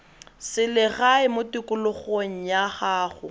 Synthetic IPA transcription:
sɪlɪɣaɪmʊtikʊlʊχoŋ̩jaχaːχʊ

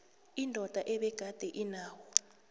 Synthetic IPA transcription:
indʱɔd̥ʱaʔɛɓɛɡ̥ʱad̥ʱɛʔinaːwɔ

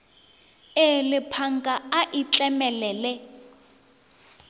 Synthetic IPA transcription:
elɪpʰaŋɡʼaaʔit͡ɬʼɛmɛlɛːlɛ

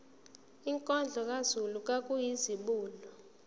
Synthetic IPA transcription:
iŋkʼɔnd͡ɮʱɔk̬ʼazuluk̬ʼak̬ʼujiziɓuːlɔ

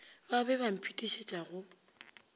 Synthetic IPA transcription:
babɛβam̩pʰitʼiʃet͡ʃʼaɣʊ

